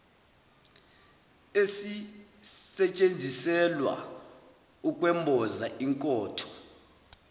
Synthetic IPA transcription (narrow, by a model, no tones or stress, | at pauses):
esi | sɛt͡ʃʼend͡zʱisɛlwa̰ | ukʼwɛmbʱɔzaiŋkʼɔːtʰɔ̥